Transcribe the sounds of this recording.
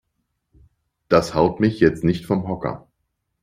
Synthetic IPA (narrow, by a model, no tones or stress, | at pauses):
d̥ashaʊtmɪçjɛt͡stnɪçtfɔmɦɔkɐ̰